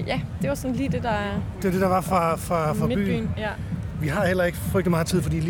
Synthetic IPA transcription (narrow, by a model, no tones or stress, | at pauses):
jæd̥e̝ʋɑ̈sɔnliːd̥e̝d̥ɑd̥eʋɐd̥e̝d̥ɑ̈ʋɑ̈fʁɑ̈fʁɑ̈fʁɑ̈by̰̥ːy̰ːn | ʋiɦɑ̈hel̰ɐe̝ɡ̥əfʁœɡ̥d̥imɑ̈ːt͡sʰið̰ˠfɒ̽dḭːlː